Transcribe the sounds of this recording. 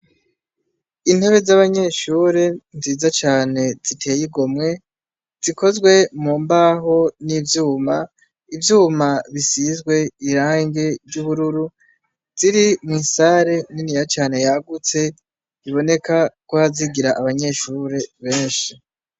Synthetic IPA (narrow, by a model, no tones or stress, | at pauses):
in̥he̞βe̞zaβaɲe̞ʃuɾe̞nziːzat͡ʃaːne̞z̥itʰe̞ːjiɡo̞mŋe̞ | z̥iko̞zɡwe̞muːmbaɦo̞nivjuːma | ivjuːmaβisizɡwe̞iɾaːŋɡe̞ɾɟuβuɾuɾu | z̥iɾimŋiːsaɾe̞ninijat͡ʃaːne̞jaɡut͡se̞ | iβo̞ne̞kakohaziɡiɾaʔaβaɲe̞ʃuɾe̞βe̞ːnʃi